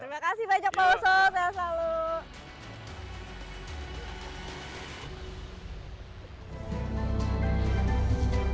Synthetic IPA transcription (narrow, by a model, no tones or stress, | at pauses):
t̪ɾimakasihbad͡ʒak̚baɔsɔsajaslalu